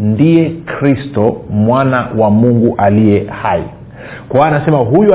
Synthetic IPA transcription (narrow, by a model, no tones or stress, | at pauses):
ndiɛkɾistɔmwanawamuŋɡuʔaliɛhaḭ | kaːnasɛmaɦuju